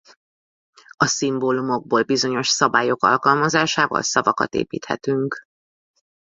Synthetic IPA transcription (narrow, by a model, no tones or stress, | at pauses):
ɒsimboːlumo̞ɡ̚boːlbizo̞ɲo̞ʃsɒbaːjo̞kɒ̰lkɒlmɒzaːʃaːvɒ̰lsɒvɒkɒ̰t̪ḛːpiːt̪hɛ̰t̪yŋk